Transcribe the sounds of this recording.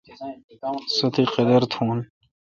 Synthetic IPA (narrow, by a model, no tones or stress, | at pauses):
sot̪ʰiqed̪ɐɾt̪ʰũːn